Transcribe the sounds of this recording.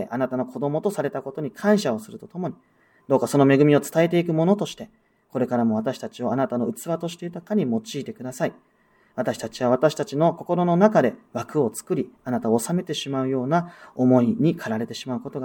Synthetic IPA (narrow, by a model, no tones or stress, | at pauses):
eʔanat̪ano̞kʰo̞d̪o̞mo̞t̪o̞saɾe̞t̪ako̞t̪o̞ɲ̟ikʰãɰ̃ɕao̞sɨɾɯ̟t̪o̞t̪o̞mo̞ɲ̟i | d̪̥o̞ːkaso̞no̞me̞ɡɯ̟mʲio̞t͡sɨ̥t̪ae̞t̪e̞ikɯ̟mo̞not̪o̞ɕi̥t̪e̞ | ko̞ɾe̞kaɾamo̞β̞at̪aɕi̥t̪at͡ɕio̞anat̪ano̞ɯ̟t͡sɨβat̪o̞ɕi̥t̪ejɯt̪akaɲ̟imo̞t͡ɕiːt̪e̞kɯd̪asai | βat̪aɕi̥t̪at͡ɕiβaβ̞at̪aɕi̥t̪at͡ɕino̞ko̞ko̞ɾo̞no̞nakad̪e̞βakɯ̟o̞t͡sɨ̥kɯ̟ɾʲianat̪aoːsame̞t̪e̞ɕimaɯ̟jo̞ːnao̞mo̞iɲ̟ikʰaɾaɾe̞t̪e̞ɕimaɯ̟ko̞t̪o̞ɡa